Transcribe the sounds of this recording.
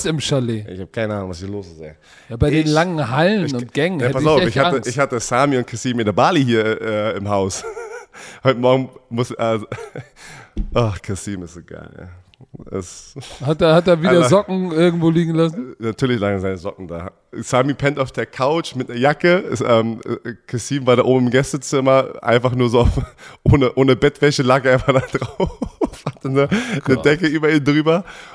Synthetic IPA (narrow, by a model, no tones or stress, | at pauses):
sɪmʃaleːɪ̰çhaːbəkʰaɪnəʔaːnʊŋvashiːɐloːszeː | jaːbaɪdeːnlaŋəŋ̩ɦalnʊnt̚ɡ̥ɛŋənhjaɛtpaɐəsaʊɛɪçhaaəɪçhatəsaːmiʊnt̚kʰasiːmɪndeɐbaːliɦiːɐʔɛɪmɦaʊs | hɔʏtəmɔɐɡŋ̩mʊsʔa | ʔɔxkʰasiːmɪstzoːɡa̰ɪlja̰ː | ɛ̰shateːɐhatdeːɐviːdɐzɔkŋ̩ɪɐɡŋ̩tv̥oːliːɡŋ̩lasn̩natʰyːɐlɪçlaːɡzaɪnəzɔkŋ̩da̰ː | samipʰɛntaʊfd̥eːɐkʰaʊt͡ʃmɪtnɐjakəsʔɛːmkʰasiːmvaːɾaːʔo̰ːbm̩ɪmɡɛstət͡sɪmɐʔa̰ɪnfaχnuːɐzoːaʊfʔoːnəʔoːnəbɛtv̥ɛçəlaːkavaːɐdad̥ʁaʊʊfatdanuːɐnədɛkəʔyːbɐiːndʁyːbɐ